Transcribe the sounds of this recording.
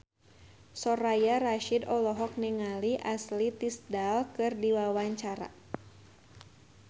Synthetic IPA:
sɔɾajaraʃidɔlɔɦɔk̚niŋaliʔaslit̪isdalkɨrdiwawaɲt͡ʃaɾa̰

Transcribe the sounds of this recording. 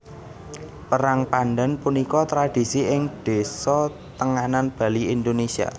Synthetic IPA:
pəɾaŋpanɖɛnpunikɔt̪ɾad̪̥i̤siɪŋd̪̥e̤sɔ | t̪əŋananb̥a̤liind̪onesia̰

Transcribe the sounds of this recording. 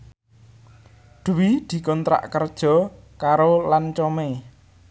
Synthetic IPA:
d̪̥uwid̪̥i̤kɔnt̪ɾa̰ʔkərd̥ʒ̥ɔ̤ | kaɾolant͡ʃɔme

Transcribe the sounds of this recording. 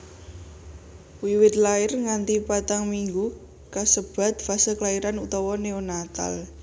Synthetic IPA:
wiwɪt̪̚laɪrŋant̪ipat̪aŋmiŋɡu | kasəb̥a̤t̪̚fasəklaiɾanut̪ɔwɔneonat̪a̰l

